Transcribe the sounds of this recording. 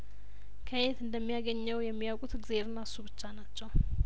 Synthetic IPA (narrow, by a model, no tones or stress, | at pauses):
kʰəjet̪ɨnd̪əmːijaɡəɲːɛwjɛmːijawkʼut̪ɡzeɾnasuβɨt͡ʃːanat͡ʃːɛw